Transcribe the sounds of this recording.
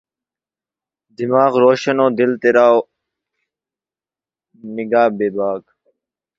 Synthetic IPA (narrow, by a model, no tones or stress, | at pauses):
d̪imaːɣɾoːɕɐnoːd̪ilt̪eɾaːo | niɡaːbeːbaːk